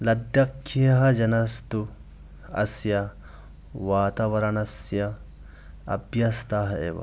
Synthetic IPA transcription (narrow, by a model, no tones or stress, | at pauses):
lɐd̪jɐkʰːijɐɦɐd͡ʒɐnɐst̪u | ɐ̰sjɐ | ʋaːt̪aːʋɐɾɐnɐsjɐ | ɐ̰bjɐst̪aːɦɐḛːʋɐ̰